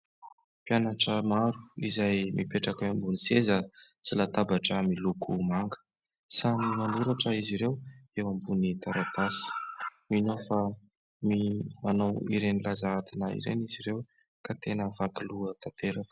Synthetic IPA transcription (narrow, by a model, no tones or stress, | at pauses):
pjanaʈ͡ʂəmaɾuizajmipeʈ͡ʂakaambunisezət͡silat̪abaʈ͡ʂəmilukʰumaŋɡə̥ | sanimanuɾaʈ͡ʂəiziɾewewambunit̪aɾat̪asi̥minofa | mianowḭɾenilazaat̪inaḭɾḛniziɾew | kat̪enəvakiluət̪at̪eɾakə̥